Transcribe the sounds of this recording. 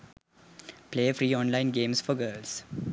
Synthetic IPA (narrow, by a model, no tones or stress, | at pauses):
pleːəfɾiːɔ̃ːnlãɪ̃nɡẽːmsfɔɡəːls